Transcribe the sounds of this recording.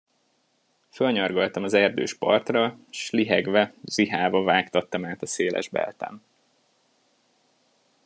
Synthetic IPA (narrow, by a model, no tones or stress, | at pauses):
følɲɒrɡolt̪ɒmɒzɛrd̪ø̰ːʃpɒ̰rt̪rɒʃliɦɛɡvɛziɦaːvɒvaːkt̪ɒt̪ːɒmaːt̪ɒseːlʔɛ̰ʒbɛ̰lt̪ɛ̰m